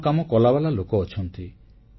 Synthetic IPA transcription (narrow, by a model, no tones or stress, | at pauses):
kamɔkɔlabalalokɔːt͡ʃʰɔnt̪i